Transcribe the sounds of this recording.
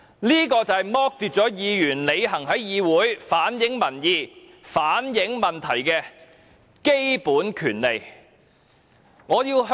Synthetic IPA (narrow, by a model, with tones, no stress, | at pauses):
niː˥kɔː˧t͡sɐ˨jmɔː˥k̚t̪yː˨t̚t͡sɔː˨˥jiː˨˧jyː˨˩nle˨˧jɦɐ˨˩ŋɦɐ˨˥jjiː˨˧wuː˨˥jfaː˨˥njɪ˨˥ŋmɐ˨˩njiː˨˩ | faː˨˥njɪ˨˥ŋmɐ˨nt̪ʰɐ˨˩jkɛː˧ | ke˥jpuː˨˥nkʰyː˨˩nle˨j | ŋɔː˨˧jiː˧wɦ